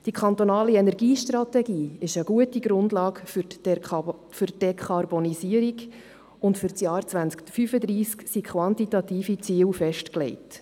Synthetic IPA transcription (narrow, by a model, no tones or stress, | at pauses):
d̥ikʰχɑnt̪onɑːliɛnɛɾɡiːʃtrɑtɛɡiːɪʃəɡ̥uətiɡ̥ɾʊndlɑːɡ | fʏɾd̥ɛkʰɑɾbɔnisiəɾiɡ | ʊntfʏɾt͡sjɑːɾt͡sʋænt͡skfyfəd̪ɾiːsksikʰχʋɑntitɑtiːfit͡siːwfɛʃtklɛ̰ɪt